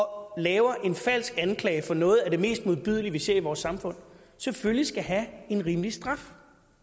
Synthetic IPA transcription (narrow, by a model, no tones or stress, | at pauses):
ɒ̽lɛːʊɐʔe̝nfæl̰sɡ̥ænkʰlɛːɪfɒ̽nɔ̽ːð̞̩ˠæɐd̥e̝me̝̰ːsd̥muðˠb̥yð̞̰ˠliʋise̝ɐ̰iʋɒːsːɑ̈mfɔ̽n̰ | seføllisɡ̥æɦæe̝nʁiːməlisd̥ʁɑ̈f